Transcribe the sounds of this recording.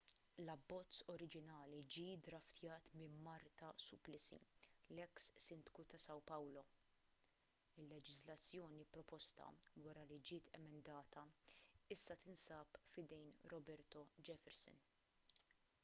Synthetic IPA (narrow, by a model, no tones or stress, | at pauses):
lɐbːɔt͡sːɔɾɪd͡ʒɪnɐːlid͡ʒiːd̪ɾɐft̪jɐːt̪mɪmmɐɾt̪ɐsʊplɪsḭlɛksːɪnd̪kut̪ɐsɐwpɐwlɔ | ɪlːɛd͡ʒɪzlɐt͡sːjɔːnipɾɔpɔst̪ɐ̰wɐɾɐlid͡ʒɪːt̪ʰɛmɛnd̪ɐːt̪ɐɪsːɐt̪ɪnsɐːpfɪd̪ɛjnɾɔbɛɾt̪ɔd͡ʒɛfɛɾsɪ̰n